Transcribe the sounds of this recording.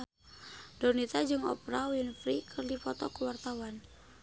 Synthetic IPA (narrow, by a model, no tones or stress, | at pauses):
dɔnit̪ad͡ʒɨŋɔ̰pɾawinfɾikʰərdifɔt̪ɔkəwart̪awan